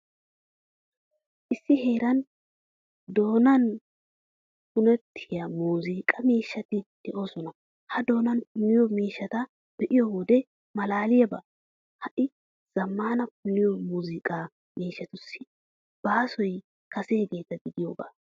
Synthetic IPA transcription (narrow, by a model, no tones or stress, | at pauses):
ʔɪsːɪhe̞ːɾɐn | d̪o̞ːnɐn | pʊnɛt̪ʰːɪjɐmuːziːkʼɐmiːʃːɐt̪ɪd̪̥ɛʔo̞ːsɔnɐ | hɐd̪o̞ːnɐnpʊnːɪjɔmiːʃːɐt̪ɐ | b̥ɛʔɪjɔwɔd̪ɛ | mɐlaːlɪjɐba̰ː | hɐʔɪ | z̥ɐmːaːnɐpʊnːɪjɔmuːzɪkʼa | miːʃːɐt̪ʊsːɪ | b̥aːsɔj | kɐseːɡe̞ːt̪ːɐɡɪd̪ɪjo̞ːɡa̰ː